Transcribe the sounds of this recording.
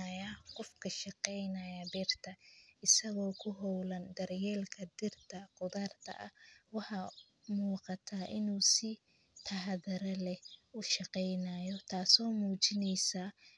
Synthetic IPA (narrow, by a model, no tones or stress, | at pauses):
ajaqɔfkʰɐʃɑqɛjnɐjɐbɛːrt̪ʰɐɪsɐɣɔːkʰʊɦɔwlɐnd̪ɐrjɛːlkʰɐd̪ɪrt̪ʰɐqʊðaːrt̪ʰɐ̰ʔɐ̰wɑħɑ | muːqɑt̪ʰaːʔɪnuːsɪ | t̪ʰɐɦðɐɾɐlɛʊʃɑqɛjnaːjɔt̪ʰaːsɔːmuːt͡ʃɪnɛjsaː